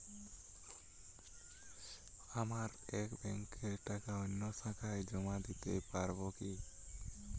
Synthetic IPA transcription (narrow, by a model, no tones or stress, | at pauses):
amaɾɛkbɛŋkeɛɾʈakaɔɲːɔsakʰajd͡ʒɔmad̪it̪epaɾbɔki